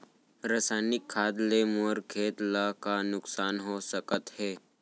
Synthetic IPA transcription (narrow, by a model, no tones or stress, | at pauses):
ɾəsaːjnɪkʰːaːd̪lemoɾkʰeːt̪lakanʊksaːnɦoːsəkət̪heː